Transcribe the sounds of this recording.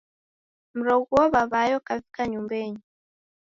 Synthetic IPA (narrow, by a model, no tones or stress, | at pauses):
m̩ɾɔɡuɔβaβajɔkavikaɲumbɛɲi